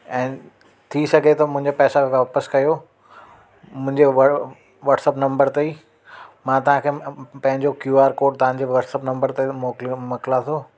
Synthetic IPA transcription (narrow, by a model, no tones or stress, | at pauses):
ɛ̃ː | t̪ʰisɐɡʱet̪ɐmʊ̃ɦɪ̃ɲd͡ʑapɛːsaʋaːpəskɐjo | mʊ̃ɦɪ̃ɲd͡ʑeʋ | ʋɐːʈsəpnɐ̃mbəɾt̪eiː | mãt̪ɐʋ̤ãkʰeːpɐ̃ɦɪ̃ɲd͡ʑokjuːaːɾkoːʈ̚t̪ɐʋ̤ãːd͡ʑeʋɐʈsəpnɐ̃mbəɾt̪emoːklmɐkɪlat̪ʰoː